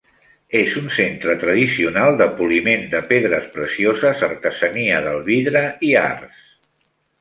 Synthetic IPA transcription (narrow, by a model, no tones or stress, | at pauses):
ezunsent̪ɾət̪ɾəðisiunalˠd̪əpulimend̪əpeðɾəspɾəsiozəzərt̪əzəniəðəlˠβiðɾəia̰rs